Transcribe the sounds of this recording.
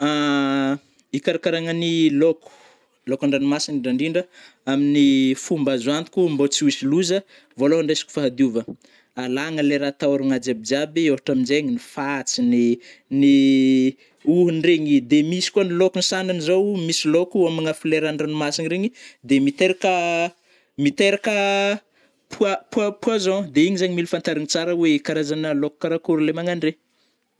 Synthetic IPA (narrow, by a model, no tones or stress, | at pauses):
a | ikaɾakaɾaŋəniloku̥ | lokaɳɖ͡ʐanimasinɖ͡ʐiɖ͡ʐaɳɖ͡ʐiɳɖ͡ʐə | aminifumbazuant̪i̥kʲumbot͡siuisiluzə | voloaɳɖ͡ʐesi̥kʲu̥faɦad̪iuvə | alaŋəleɾat̪aɾuŋad͡ʒabid͡ʒabiewɦaʈ͡ʂaminzeɲinifat͡sinini | uɦunreɲid̪emisi̥kuanilokunisananizowmisilokuamaŋafileɾaɳɖ͡ʐanimasiniɾeɲid̪emit̪eɾakə | mit̪eɾakə | puapuapuazɔ̃d̪eiɲizaɲimilufant̪aɾinit͡saɾəwekaɾazanəloku̥kaɾakuɾlemaŋanreɲ